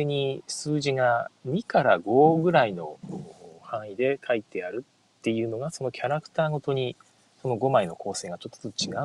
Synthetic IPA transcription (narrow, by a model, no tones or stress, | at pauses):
eɲ̟isɨːʑiŋaɲ̟ikaɾa̰ɡo̞ɡɯ̟ɾaino̞̰ | hãɰ̃id̪e̞kʰait̪e̞aɾɯ̟t̪ː | e̞jɯ̟ːno̞ɡaso̞no̞kʲʰaɾakɯ̟̥t̪aːɡo̞t̪o̞ɲ̟i | so̞no̞ɡo̞maino̞kʰo̞ːse̞ːɡat͡ɕo̞t̪ːo̥t̪ot͡ɕiɡa